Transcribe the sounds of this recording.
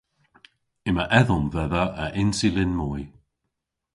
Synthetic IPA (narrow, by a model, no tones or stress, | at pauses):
ɪməʔɛðɔnvɛðəʔəʔɪnsilɪnmɔj